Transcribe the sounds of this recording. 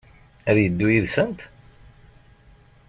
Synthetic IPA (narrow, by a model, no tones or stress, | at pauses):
æðjəd̪ːujiðsənt̪